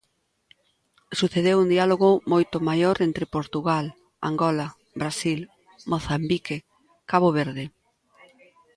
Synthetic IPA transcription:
suθeðewund̪ialoɣʊmojt̪omajoɾent̪ɾɪpoɾt̪uɣal | a̰ŋɡɔlɐ | bɾasil | moθambike | kaβoβ̞eɾðɪ

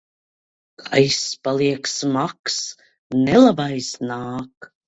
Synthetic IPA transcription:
kʰajspalˠiɛksmaks | nɛlˠabajsnaːk

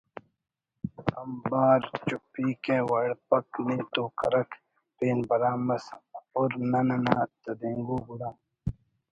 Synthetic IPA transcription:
ɐmbaːɾt͡ʃupiːkewɐɽpɐkniːt̪oːkɐɾɐk | peːnbɐɾaːmɐsoɾnɐnɐnaːt̪ɐd̪eːŋɡuːbuɽaː

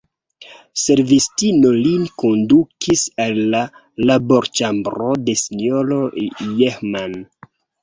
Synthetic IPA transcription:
se̞ɾvistino̞linko̞ndukʰisalːaː | aboɾt͡ʃambɾode̞sinoɾo̞jexman

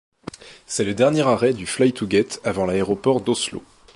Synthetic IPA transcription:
sɛləd̪ɛʁnjɛʁaʁɛd̪yflajt̪ʰuɡɛt̪ʰavɑ̃laeʁɔpɔʁd̪oslo̰

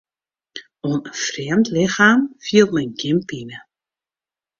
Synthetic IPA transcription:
onəfrɛəmtlɪxaːmfiəlˠmɛjnɡɪmpinə

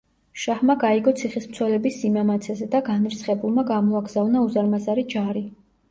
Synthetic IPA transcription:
ʃahmaɡaiɡɔt̪sʰiχismt̪sʰwɛlɛbisːimamat̪sʰɛzɛd̪aɡaniɾsχɛbulˠmaɡamɔaɡzavnauzaɾmazaɾid͡ʒaɾi

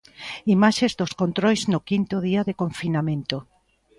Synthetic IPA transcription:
imaʃezðoskõnt̪ɾɔjznʊkint̪ʊðiaðekõɱfinamẽnt̪o

